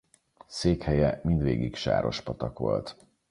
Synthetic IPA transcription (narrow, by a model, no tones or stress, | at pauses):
seːkhɛjɛmind̪ʋḛːɡikʃa̰ːɾo̞ʃpɒt̪ɒkʋo̞̰lt̪